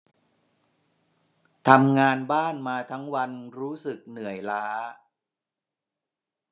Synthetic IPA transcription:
t̪ʰa˧mŋaː˧nbaː˥˩nmaː˧t̪ʰa˦˥ŋwa˧nɾuː˦˥sɯ˨˩k̚nɯ˨˩˦əjlaː˦˥

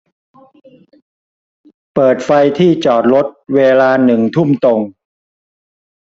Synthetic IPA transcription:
pɤː˨˩t̪̚fa˧jt̪ʰiː˥˩t͡ɕɔː˨˩t̪̚ɾo˦˥t̪̚weː˧laː˧nɯ˨˩ŋt̪ʰu˥˩mt̪o˧ŋ

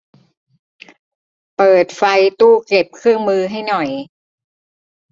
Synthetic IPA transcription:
pɤː˨˩t̪̚fa˧jt̪uː˧˩ke˨˩p̚kʰɾɯ˥˩ŋmɯː˧ɦa˥˩jnɔ˨˩j

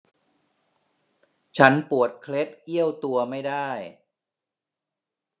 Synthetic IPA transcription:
t͡ɕʰa˦˥npu˨˩ət̪̚kʰle˦˥t̪̚ʔi˥˩əwt̪u˧ɐma˥˩jdaː˥˩j

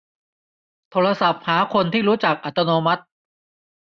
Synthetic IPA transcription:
t̪ʰoː˧ɾa˧sa˨˩p̚haː˩˦kʰo˧nt̪ʰiː˥˩ɾuː˦˥t͡ɕa˨˩k̚ʔa˨˩t̪ːa˧noː˧ma˦˥t̪̚

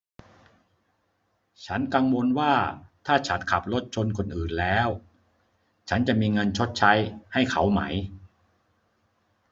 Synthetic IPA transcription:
t͡ɕʰa˦˥nka˧ŋwo˧nwaː˥˩t̪ʰaː˥˩t͡ɕʰa˦˥nkʰa˨˩p̚lo˦˥t̪̚t͡ɕʰo˧nkʰo˧nʔɯː˨˩nlɛː˦˥w | t͡ɕʰa˦˥nt͡ɕa˨˩miː˧ŋɤ˧nt͡ɕʰo˦˥t̪̚t͡ɕʰa˦˥jha˥˩jkʰa˩˦˥wma˦˥j

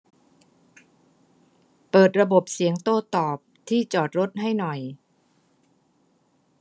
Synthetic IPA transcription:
pɤː˨˩t̪̚ɾa˧bo˨˩p̚si˨˩˦əŋt̪oː˥˩t̪ɔː˨˩p̚t̪ʰiː˥˩t͡ɕɔː˨˩t̪̚ɾo˦˥t̪̚ha˥˩jnɔ˨˩j

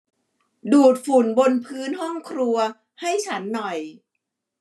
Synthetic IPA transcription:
duː˨˩t̪̚fu˨˩˦nbo˧npʰɯː˦˥nhɔ˥˩ŋkʰɾu˧ɐ | ha˥˩jt͡ɕʰa˦˥nːɔ˨˩j

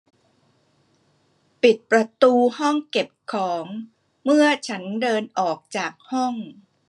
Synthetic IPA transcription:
pi˨˩t̪̚pɾa˧t̪uː˧hɔ˥˩ŋke˨˩p̚kʰɔː˩˦ŋ | mɯ˥˩ɐt͡ɕʰa˦˥ndɤː˧nʔɔː˨˩k̚t͡ɕaː˨˩k̚hɔ˥˩ŋ

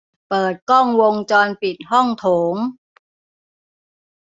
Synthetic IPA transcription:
pɤː˨˩t̪̚kɔ˥˩ŋwo˧ŋt͡ɕɔː˧npi˨˩t̪̚hɔ˥˩ŋt̪ʰoː˩˦ŋ

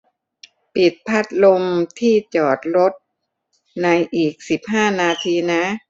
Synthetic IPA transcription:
pi˨˩t̪̚pʰa˦˥t̪̚lo˧mt̪ʰiː˥˩t͡ɕɔː˨˩t̪̚ɾo˦˥t̪̚ | na˧jʔiː˨˩k̚si˨˩p̚haː˥˩naː˧t̪ʰiː˧na˦˥

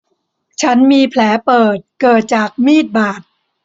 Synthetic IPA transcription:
t͡ɕʰa˦˥nmiː˧pʰlɛː˩˦pɤː˨˩t̪̚kɤː˨˩t̪̚t͡ɕaː˨˩k̚miː˥˩t̪̚baː˨˩t̪̚

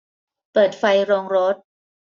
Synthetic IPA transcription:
pɤː˨˩t̪̚fa˧jɾɔː˧ŋɾo˦˥t̪̚

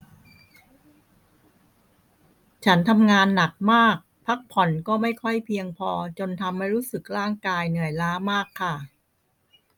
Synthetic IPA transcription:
t͡ɕʰa˦˥nt̪ʰa˧mŋaː˧nːa˨˩k̚maː˥˩k̚pʰa˦˥k̚pʰɔ˨˩˦nkɔː˥˩ma˥˩jkʰɔ˥˩jpʰi˧əŋpʰɔː˧t͡ɕo˧nt̪ʰa˧mːa˥˩jɾuː˦˥sɯ˨˩k̚ɾaː˥˩ŋkaː˧jnɯ˨˩əjlaː˦˥maː˥˩kʰːa˥˩

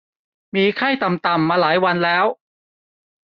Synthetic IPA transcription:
miː˧kʰa˥˩jt̪a˨˩mt̪a˨˩mːaː˧laː˩˦jwa˧nlɛː˦˥w

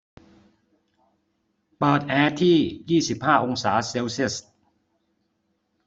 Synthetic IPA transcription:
paː˨˩t̪̚ʔɛː˧˥t̪ʰiː˥˩jiː˥˩si˨˩p̚haː˥˩ʔo˧ŋsaː˩˦se˧wsi˥˩ə˩st̪

